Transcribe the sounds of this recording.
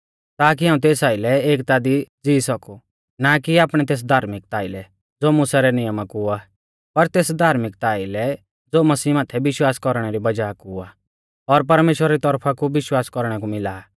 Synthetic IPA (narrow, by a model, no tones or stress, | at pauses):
t̪aːk̬iɦaːũt̪eːsaːɪlɛeːkt̪ad̪id͡ziːsɔku | nakiaːpɽ̃ɛt̪̬eːs̬d̪ʱaːɾmɪk̚t̪aːɪlɛ | d͡zoːmʊsaɾɛnɪjəmakua | pɐɾt̪eːsd̪ʱaːɾmɪk̚t̪aːɪlɛ | d͡zoːmɐsiːmaːt̪ʰɛbɪʃwaːskɔɾɽ̃ɛɾibɐd͡ʒaːkua | ɔɾp̬ɐɾmeːʃwəɾaɾit̪ɔɾpʰakuʋɪʃwaːskɔɾɽ̃ɛkumɪlaː